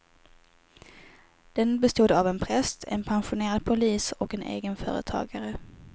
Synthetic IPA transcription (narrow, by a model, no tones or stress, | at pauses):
d̪̥ɛnbɛst̪uːd̪avɛnpʰɾɛst̪ʰɛ̰npʰanɧʊneːɾad̪̚pʰʊliːsɔkɛnʔḛːɡənfœ̰ːɾə̰t̪ʰɑ̰ːɡaɾə